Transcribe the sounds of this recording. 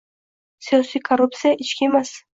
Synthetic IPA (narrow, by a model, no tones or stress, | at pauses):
sijɒsijkʰoɾup̚t̪sijaʔɪt͡ʃkʲiemas